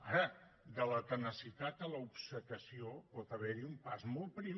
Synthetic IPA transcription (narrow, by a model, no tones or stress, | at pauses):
aɾə | d̪ələt̪ənəsit̪at̪̚ələupsəkəsiopɔt̪əβɛɾiumpazmɔl̚ˠpɾi